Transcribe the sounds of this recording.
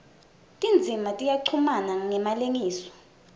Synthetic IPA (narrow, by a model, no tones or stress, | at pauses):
tʼind͡zʱimatʼijaǀʰumanaŋɛmaleŋiːsɔ̥